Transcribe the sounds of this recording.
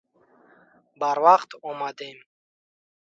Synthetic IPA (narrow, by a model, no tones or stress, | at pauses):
baɾwaqt̪ʰɔmad̪em